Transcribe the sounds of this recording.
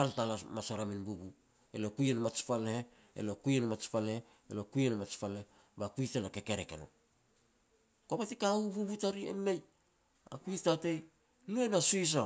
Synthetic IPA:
paltalamasoɾaminbubu | ḛlo̞kujenamat͡ʃpalehe | ḛlokujenamat͡ʃpalehe | elokujenamat͡ʃpalehe | bakuitanake̞keɾekḛno̰ | kopatikaububutaɾiḛmej | a̰kuitatej | luenasuis̬a

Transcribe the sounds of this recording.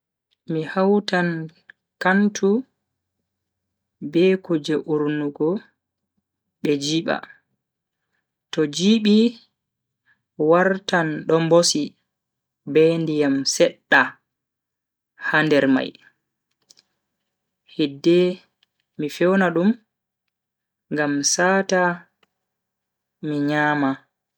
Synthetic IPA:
mihawtan | kantʰu | bɛkud͡ʒɛʔuɾnuɡɔ | ɓɛd͡ʒiɓa̰ | tɔd͡ʒiɓi | waɾtanɗɔmbosi | bɛndijamsɛɗːa | handɛɾma̰j | hidːɛ | mifɛwnaɗum | ŋɡamsaːta | miɲaːma

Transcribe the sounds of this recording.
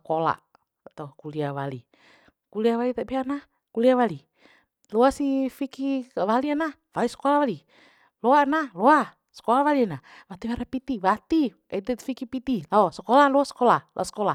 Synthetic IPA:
kola̰ | at̪akuliawalḭ | kuliawalit̪aʔbiana | kuliawali | lɔasifikiawalianawalisɔ̥kolawali | loanalɔa | sɔ̥kolawalianawat̪iwaɾapit̪iwat̪i | ait̪ɛt̪fikipit̪ilaɔsɔkɔlalɔasɔ̥kɔlalʔa̰sɔ̥kɔla

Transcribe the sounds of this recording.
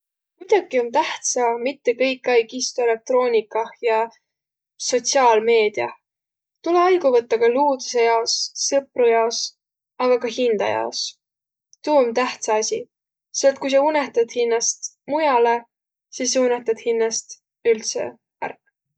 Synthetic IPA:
kujd̪̥ɑɡio̞nt̪æht̪sɑmit̪ːe̞kɤjkːˑɑjkist̪oe̞le̞k̚t̪ro̞ːnʲikːˑɑhjɑ | so̞t̪ʲsiɑːlme̞ːd̪̥iɑ | t̪uleɑjɡuvɤt̪ːɑkɑluːd̪use̞jɑo̞sːɤprujɑos | ɑɡ̥ɑkɑhind̪̥ɑ̰jɑ̰os | t̪uːont̪æht̪sɑɑsʲi | selt̪̚kujs̬ɑuneht̪ɑd̪̥hinːɑst̪ | mujɑle̞ | sisːuneht̪ɑd̪̥hinːɑst̪ | ylt̪sḛ | æ̰rkː

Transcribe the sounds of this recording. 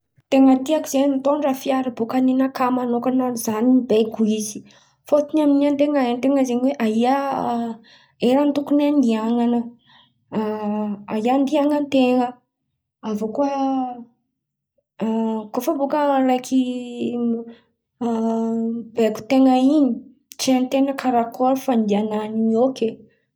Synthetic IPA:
t̪eŋət̪iakiz̥ent̪oɳɖ͡ʐafiaɾibokaninakamanokanazanibekuizi̥ | fot̪inaminiant̪eŋaent̪eŋəzeɲweʔaɦia | eɾant̪ukunand̪iaŋanə | aɦiand̪iaŋənt̪eŋə | avokuə | kofəbokəɾejkʰi | beku̥t̪eŋəiɲi | t͡ʃent̪eŋəkʰaɾakoɾfand̪iananioke

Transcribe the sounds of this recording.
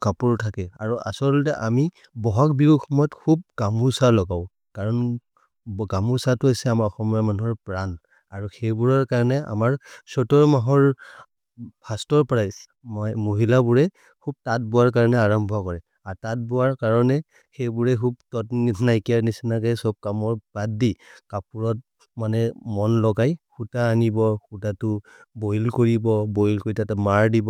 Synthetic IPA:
kapuɹtʰakɛa̰ɹuʔa̰sɔltɛʔami | bɔɦak̚bibuxɔmɔjɔtkʰub̚ɡamusalɔɡaʊ | kaɹɔn | ɡamusatuasɛamaɔxɔmamanuɦɔɹpɹan | aɹuxejbuɹɔɹkaɹɔnɛa̰maɹsɔtɔɹmaɦɔɹ | pʰastɔɹpɹajs | moɦilabuɹɛ | kʰub̚tat̚bʊaɹk̬aɹɔnɛaɹɔmbʱɔkɔɹɛ | aɹtat̚bʊaɹkaɹɔnɛ | xejbuɹɛkʰub̚tɔtnnajkiaɹnisinakɛjsɔb̚kamɔɹbat̚dikapuɹɔt̚ | manɛmɔnlɔɡajxutaːnibɔxutatʊ | bojlkoɹibɔbojlkoɹitatɛmaɹdibɔ

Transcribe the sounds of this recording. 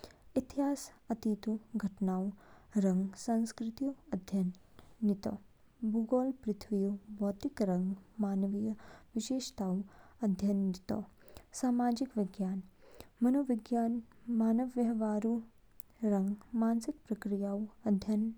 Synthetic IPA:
it̪iɦaːsɐt̪iːt̪uɡʱɐʈnaːwɾɐŋɡsɐnskɾɪt̪ijuɐd̪ʱjɐ | nːit̪ɐ | buɡoːlpɾɪt̪ʰʋijubʱoːt̪ikɾɐŋɡmaːnɐʋijɐʋiʃeːʃt̪aːwɐd̪ʱjɐnit̪ɐsaːmaːd͡ʒikʋiɡjaːnmɐnoʋiɡjaːnmaːnɐʋjɐʋaːɾu | ɾɐŋɡmaːnsik̚pɾɐkɾijaːwɐd̪ʱjɐn

